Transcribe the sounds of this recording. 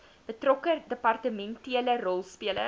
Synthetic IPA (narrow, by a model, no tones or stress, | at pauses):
b̥ətrɔkədəpɐrtəmɛntiələrɔlˠspiələ